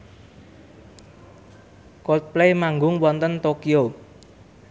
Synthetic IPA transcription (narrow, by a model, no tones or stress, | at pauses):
kɔt̪̚plemaŋɡʊŋwɔnt̪ənt̪okio